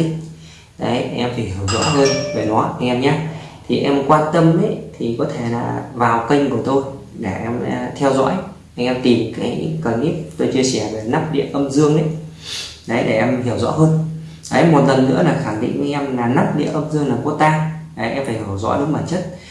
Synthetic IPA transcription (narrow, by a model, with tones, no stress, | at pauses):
i˦˥k̚ | ɗə˨˦jʔɛ˧mfaː˧˩jɦi˧˩əwzɔ̰˧˥ɦəː˧nve˨˩nɔ˨˦ʔa˧jŋʔɛ˧mɲaː˧t̪ʰi˨˩ʔɛ˧mkwaː˧nt̪ə˧mɗə˨˦jt̪ʰi˨˩kɔ˨˦t̪ʰe˧˩laː˨˩vaː˨˩wkə˧jŋ̟ku˧˩ət̪o˧j | ɗe˧˩ʔɛ˧m˨t̪ʰɛ˧wzɔ̰˧˥j | ʔa˧ŋʔɛ˧mt̪i˨˩mkaː˨˦jkə˨˩nʔi˦˥p̚t̪o˧jt͡ɕɨ˧əsɛ˧˩ve˨˩na˦˥p̚ɗḭ˧˨əʔə˧mzɨ˧əŋɗə˨˦j | ɗə˨˦jɗe˧˩ʔɛ˧mhi˧˩əwzɔ̰˧˥hɦəː˧n | ɗə˨˦mo˨˩t̚lə˨˩nːɨ̰˧˥əlaː˨˩xaː˧˩ŋɗḭ˧˨ŋ̟ʔŋʔɛ˧mlaː˨˩na˦˥p̚ɗḭ˧˨əʔə˧mzɨ˧əŋlaː˨˩ko˧t̪aː˧ɗə˨˦jʔɛ˧mfaː˧˩hi˧˩əwzɔ̰˧˥ɗə˨˦ŋ͡mmaː˨˩t͡ɕə˦˥t̚